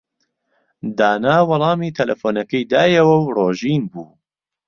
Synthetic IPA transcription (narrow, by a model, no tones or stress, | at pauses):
d̪aːnaːwɐlˠɑːmiːt̪ʰɐlʔɐfoːnɐkɐjd̪aːjɐwɐwroːʒiːnbuː